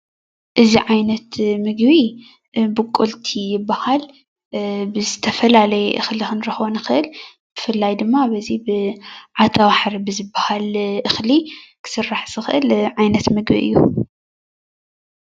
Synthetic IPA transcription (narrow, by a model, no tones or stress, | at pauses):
ʔɨziʕajnɐt̪mɨɡbi | bɨkʼːolt̪ʰijɪbːahal | bɨzɨt̪ʰɐfɐlalɐjɛʔɨxlixɨnɾɨxβonɨxɨʔɨlbɨfɨlːajd̪ɨmːabɐzibɨʕat̪ʰawaħɾibɨzɨbahalʔɨxlikʰɨ̥sɨrːaħz̥ɨxɨʔɨlʕajnɐt̪mɨɡbḭʔɨ̰jːu